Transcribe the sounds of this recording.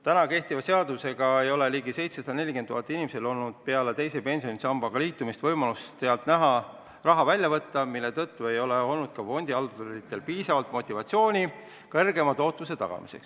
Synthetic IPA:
t̪ænɑke̞ht̪ivɑse̞ɑd̪use̞ɡ̥ɑe̞jo̞leliːɡise̞jt̪se̞sɑd̪ɑne̞lʲikent̪ːuɦɑt̪ːˑinimese̞lo̞lnud̪̥̚pe̞ɑlet̪e̞jse̞pe̞nʲsio̞nisɑmbɑɡ̥ɑliːt̪ːˑumist̪vɤjmɑlusse̞ɑlt̪ˑnæɦɑ | rɑɦɑvælʲjɑvɤt̪ːɑmilːe̞t̪ɤt̪ːue̞jo̞leo̞lnud̪̥kɑfo̞nʲd̪̥ʲiɑld̪oɾit̪ːˑe̞lpiːsɑvɑlt̪mo̞t̪ʲːˑivɑt̪sio̞ːnʲi | kɤrɡe̞mɑt̪o̞ːt̪ːˑmuse̞t̪ɑ̰ɡ̥ɑ̰mḭse̞̰ks

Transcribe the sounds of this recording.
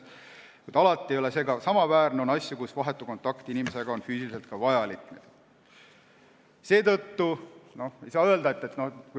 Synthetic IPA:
kujd̪ɑlɑt̪ˑːiejole̞se̞ːɡɑsɑmɑvæːrneo̞nɑsʲjukusvɑɦe̞t̪ːˑuko̞nt̪ːˑɑkt̪inime̞se̞ɡ̥ɑo̞nfyːsiliselt̪̚kɑvɑjɑlikːned̪̥ | se̞ːt̪ɤt̪ːuno̞ejsɑːøe̞ld̪ɑe̞t̪ːˑe̞t̪no̞ku

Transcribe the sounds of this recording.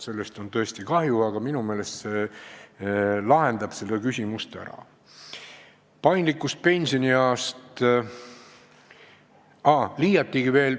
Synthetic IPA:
se̞lːest̪o̞nt̪ɤ̞est̪ikɑhjuɑɡ̥ɑminume̞ːle̞st̪se̞ | lɑɦe̞nd̪̥ɑb̥se̞lːekysʲimust̪æ̰ɾɑ̰ | pɑjnd̪likːˑust̪̚pe̞nʲsioniɑːst̪ | ɑliːjɑt̪ːiɡ̥ive̞ːl

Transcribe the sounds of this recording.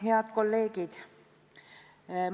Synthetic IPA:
ɦeɑt̪kolːeːkit̪ | m

